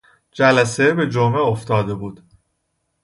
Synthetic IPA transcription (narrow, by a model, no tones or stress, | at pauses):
d͡ʒælæsebe̞d͡ʒomeoft̪ɒːd̪e̞buːd̪̥